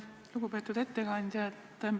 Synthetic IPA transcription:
luɡ̥upe̞ːt̪ːˑud̪̥e̞t̪ːe̞kɑnʲd̪̥ʲjɑet̪ːem

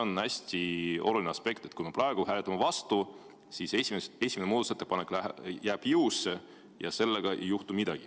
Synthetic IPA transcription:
onæsʲt̪io̞̰lulʲineɑspe̞kt̪ˑet̪kujmeprɑeɡ̥uɦæːlet̪ːˑɑmɑvɑst̪u | siːsesimee̞sʲimenmuːd̪set̪ːepɑne̞kːˑlæjæːb̥jɯwsːe | jɑ̰se̞lːeɡ̥ɑʔe̞̰jːuht̪umid̪̥ɑɡ̥i

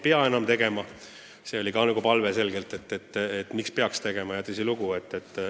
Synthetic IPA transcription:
peɑe̞nɑmt̪e̞ɡe̞mɑ | se̞o̞lʲikɑnyɡupɑlve̞se̞lɡ̥e̞lt̪ˑe̞t̪ːˑet̪ːet̪ːmikspe̞ɑkst̪e̞ɡ̥e̞mɑjɑt̪esiluɡ̥ue̞t̪ːet̪ːˑ

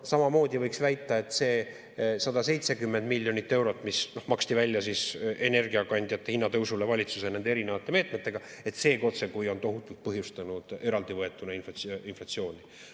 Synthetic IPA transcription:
sɑmɑmo̞ːd̪ʲivɤjksvæjt̪ːˑɑe̞t̪ːse̞ː | sɑd̪ɑse̞jt̪se̞kymːe̞nd̪milʲːjo̞nit̪ːe̞wɾo̞t̪ːˑmisno̞hmɑkst̪ivælʲjɑsise̞ne̞rɡiɑkɑnʲd̪̥ʲjɑt̪ːˑe̞hinːɑt̪ɤwsulevɑlʲit̪susene̞nd̪eeɾine̞vɑt̪ˑːe̞me̞ːt̪me̞t̪ːˑe̞ɡ̥ɑe̞t̪ːse̞ːko̞t̪se̞kujo̞nt̪o̞ɦut̪ːˑult̪̚pɤɦjust̪ɑnud̪̥e̞ɾɑld̪ivɤe̞t̪ːˑunɑinflɑinflɑt̪sio̞ːnʲi

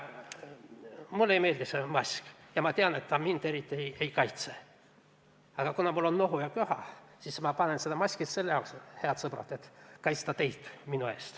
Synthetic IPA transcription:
mulːejme̞ːlʲd̪isemɑsʲkjɑmɑt̪eɑnet̪ːɑmind̪e̞ɾit̪ʲːiejejkɑjt̪se | ɑɡ̥ɑkunɑmulːonːoɦujɑkøhɑ̰sismɑpɑnensed̪ɑmɑsʲkit̪se̞lːejɑkshe̞ɑt̪sɤprɑ̰t̪et̪kɑjt̪st̪ɑt̪e̞jt̪minue̞̰ːst̪

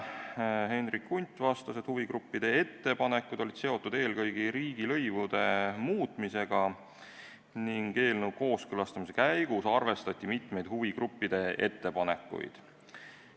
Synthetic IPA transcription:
he̞nrikːunʲt̪ːˑvɑst̪ɑsed̪̥huviɡ̥ɾupːid̪̥e̞e̞t̪ːe̞pɑne̞kːˑud̪̥o̞lʲid̪̥se̞o̞t̪ːud̪e̞ːlkɤjɡ̥iɾiːɡ̥ilɤ̞jvud̪̥e̞muːt̪ˑmise̞ɡ̥ɑ | niŋɡe̞ːlnuko̞ːskɤlɑst̪ɑmis̬e̞kæjɡ̥usɑrve̞st̪ɑt̪ʲːˑimit̪me̞jd̪̥huviɡrupːid̪̥e̞ʔe̞̰t̪ːe̞pɑnekːˑṵj̰d̪̥

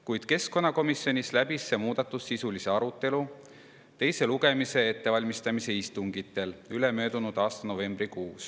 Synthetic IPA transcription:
kujd̪̥ke̞sko̞nːɑko̞misjo̞nʲislæb̥isːe̞muːd̪̥ɑt̪ːˑusːisulise̞ɑɾut̪ːˑe̞lu | t̪e̞jse̞luɡ̥e̞mise̞et̪ːe̞vɑlʲmist̪ɑmise̞ist̪uŋɡit̪ːˑe̞lylemø̞ːd̪̥unud̪̥ɑːst̪ɑno̞ve̞mb̥rikuːs

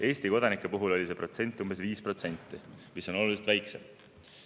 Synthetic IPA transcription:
ʔe̞ːsʲt̪iko̞d̪ɑnikːˑepuɦulo̞lʲise̞pro̞t̪se̞nʲt̪ːˑumbe̞sviːspro̞t̪se̞nʲt̪ːˑi | miso̞no̞luliset̪væjksḛm

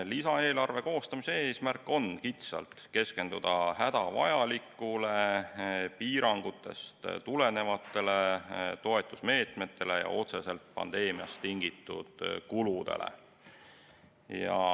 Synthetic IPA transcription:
lisɑe̞ːlɑrve̞ko̞ːst̪ɑmiseeːsmærkːˑo̞nkit̪sɑ̰lt̪ke̞ske̞nd̪̥ud̪̥ɑhæd̪̥ɑvɑ̰jɑlikːˑule̞ | piːɾɑŋɡ̥ut̪ːˑe̞̰st̪t̪ule̞ne̞vɑt̪ːe̞let̪o̞e̞t̪ːˑusme̞ːt̪me̞t̪ːe̞le̞jɑ̰ʔo̞t̪se̞se̞lt̪pɑ̰nd̪̥e̞ːmijɑ̰st̪ːiŋɡ̥it̪ːˑṵd̪̥kulud̪̥e̞̰lḛ | jɑ̰

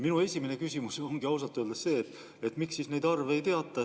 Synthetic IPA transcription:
minue̞sʲiminekysʲimuso̞ŋɡ̥iɑws̬ɑt̪ːˑuøld̪esse̞ːt̪ | e̞t̪ːˑmiksːiːsne̞jd̪ɑrve̞jt̪e̞ɑt̪ːˑɑ

